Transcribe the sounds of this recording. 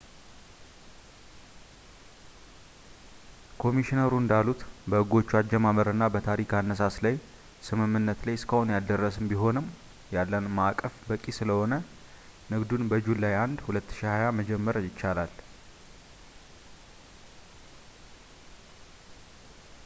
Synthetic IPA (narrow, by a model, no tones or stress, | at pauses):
kʰo̞miʃinəɾuɨnd̪alut̪bəɨɡo̞t͡ʃːuad͡ʒːɛmaməɾɨnːabət̪ʰaɾikanːəs̬aslaj | sɨmɨmːɨnːət̪lajskʰəhonjad̪ərːəsɨmbiɦo̞nɨm | jalːənmakʼːəfbəkʼisɨləho̞nə | nɨɡd̪unbəd͡ʒulːajand̪hulət̪ːɨ̥ʃihajaməd͡ʒɛmːəɾjɪt͡ʃːalal